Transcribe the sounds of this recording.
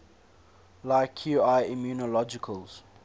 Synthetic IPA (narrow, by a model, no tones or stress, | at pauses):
laɪkʰːjuaɪimjuːnɔlɔd͡ʒɪkʰəlz̥